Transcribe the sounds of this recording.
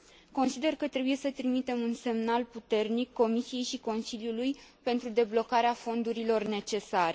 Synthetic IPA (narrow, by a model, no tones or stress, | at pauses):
ko̞nsid̪e̞rkət̪ɾe̞buje̞sət̪ɾimit̪e̞munse̞mnalput̪e̞rnikːo̞misije̞jʃiko̞nsiljulujpe̞nt̪ɾud̪e̞blo̞kaɾeafo̞nd̪uɾilo̞rne̞t͡ʃe̞saɾe